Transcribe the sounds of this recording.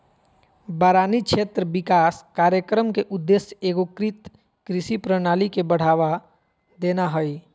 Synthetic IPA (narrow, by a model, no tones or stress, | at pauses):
baːɾaːniʃʰeːt̪ɾəbɪkaːskaːɾjəkɾəmkeʔʊd̪ːesjeːɡokɾit̪ | kɾɪsipɾənaːlikebəɽ̤aːʋa | d̪eːnaɦoi